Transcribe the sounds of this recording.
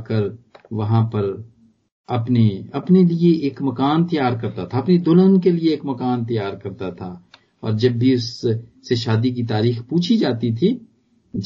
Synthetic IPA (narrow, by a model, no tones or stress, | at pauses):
kəɾ | ʋɐɦãpɐɾ | ɐpneɐpnelieʔeːkmɐkaːnt̪ɐjaːɾkɐɾt̪at̪ʰaɐpned̪ʊlənkelieeːkmɐkaːnt̪ɐjaːɾkɐɾt̪at̪ʰa | ɔ̰ːɾd͡ʒɐbːʱiʊsː | eʃaːd̪ik̬it̪aːɾiːxpuːt͡ʃʰid͡ʒaːt̪it̪ʰi